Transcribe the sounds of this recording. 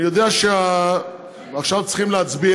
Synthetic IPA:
ijod̪eaʃea | aχʃavt͡si̥χimleat͡sbi

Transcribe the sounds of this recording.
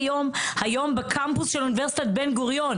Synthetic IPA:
jo̞mhajo̞mbekʰampusʃeluniveʁsi̥t̪at̪̚benɡuʁjon

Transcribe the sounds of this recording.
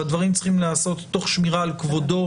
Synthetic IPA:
ad̪vaʁimt͡sχimleːso̞t̪ːo̞χʃmiʁaːlkvo̞do̞

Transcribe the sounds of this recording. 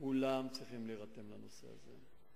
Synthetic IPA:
ulamt͡sʁiχimleʁat̪e̞mlano̞se̞̰a̰zḛ

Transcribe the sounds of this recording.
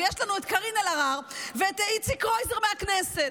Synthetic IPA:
jɛʃtlˠanuɛtkaʁinɛlaʁaʁvtait͡sikʁoɪzəʁmɪaknɛsɛt

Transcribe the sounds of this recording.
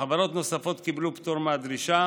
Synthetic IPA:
avaɾo̞t̪no̞safo̞t̪kiblupt̪oɾmead̪ɾiʃa

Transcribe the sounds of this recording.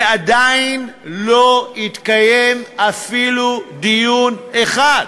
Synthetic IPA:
ad̪ajinloit̪kaje̞mafilud̪ijuneχad

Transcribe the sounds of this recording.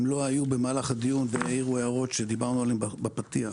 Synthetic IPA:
mlo̞ajube̞maːlaχad̪ijunveaiʁueaʁo̞t̪ʃe̞d̪ibaʁnualembbapat̪ia

